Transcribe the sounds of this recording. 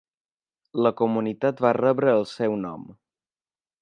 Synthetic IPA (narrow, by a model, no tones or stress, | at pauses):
ləkumunit̪at̪βarəβɾəːlˠsɛwnɔ̰m